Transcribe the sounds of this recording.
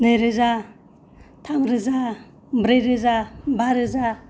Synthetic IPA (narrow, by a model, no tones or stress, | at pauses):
nɯjɾɯza | tʰamɾɯza | bɾejɾɯzabaɾɯza